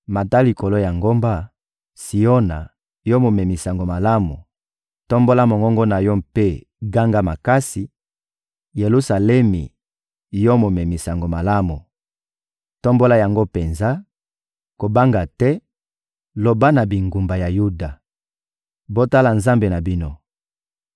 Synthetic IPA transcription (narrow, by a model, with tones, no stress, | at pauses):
ma˨ta˦li˨ko˨lo˦ja˨ŋɡo˦mba˦ | si˨jo˦na˨ | jo˦mo˨mɛ˨mi˨sa˨ŋɡo˨ma˨la˦mu˨ | tɔ˦mbo˦la˦mo˨ŋɡɔ˦ŋɡɔ˦na˨jɔ˦pe˦ | ɡa˦ŋɡa˦ma˨ka˦si˨ | je˨lu˦sa˨lɛ˦mḭ˨ | jɔ˦mo˨mɛ˨mi˨sa˨ŋɡo˨ma˨la˦mu˨ | tɔ˦mbo˦la˦ja˨ŋɡo˦pe˨nza˦ | ko˨ba˦ŋɡa˨tɛ˦ | lo˨ba˦na˨bi˨ŋɡu˨mba˨ja˨ju˦da˨ | bo˦ta˦la˨nza˦mbe˨na˨bi˦no˦